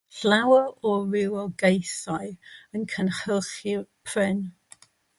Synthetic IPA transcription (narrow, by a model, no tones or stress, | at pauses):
ɬlawəɔɹɪwɔɡejsaɨənkʰənχəlˠχipʰrɪn